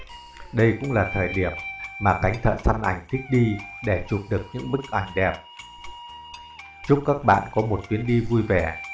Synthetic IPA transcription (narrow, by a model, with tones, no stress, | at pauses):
ɗə˧jkʊ̰˧˥ŋ͡mlaː˨˩t̪ʰəː˨˩jɗi˧˩əmːaː˨˩ka˨˦jŋt̪ʰə̰ː˧˨sa˧nʔa˧˩jŋ̟t̪ʰï˦˥k̟̚ɗi˧ɗe˧˩t͡ɕu˨˩p̚ɗɨ˨˩ək̚ɲɨ̰˧˥ŋɓɨ˦˥k̚ʔa˧˩jŋ̟ɗɛ˨˩p̚ | t͡ɕʊ˦˥k͡p̚kaː˦˥k̚ɓa̰ː˧˨nkɔ˨˦mo˨˩t̚t̪wi˨˦ənɗi˧vu˧jvɛ˨˧˩